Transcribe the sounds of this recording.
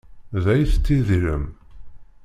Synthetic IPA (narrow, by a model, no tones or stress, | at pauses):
ðæjθt͡s̪ːiðiɾə̰m